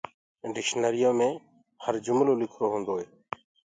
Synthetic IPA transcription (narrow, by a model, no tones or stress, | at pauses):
ɖɪkʃnəɾɪjoːmẽː | həɾd͡ʒʊmloːlɪkʰɾoːɦõːnd̪oːɦeː